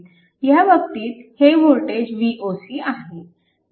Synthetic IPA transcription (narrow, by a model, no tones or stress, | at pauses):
jaʋək̚t̪iːt̪heʋoɾʈed͡ʑʋiʔosiːaɦe